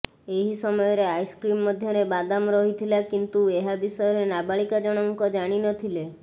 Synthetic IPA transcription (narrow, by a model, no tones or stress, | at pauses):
eɦisɔmɔjɔɾeajskɾimːɔd̪ʱjɔɾebad̪amɾɔɦit̪ʰilakint̪ueɦabisɔjɔɾenabaɭikad͡ʒɔɽ̃ɔŋkɔd͡ʒaɽ̃inɔt̪ʰile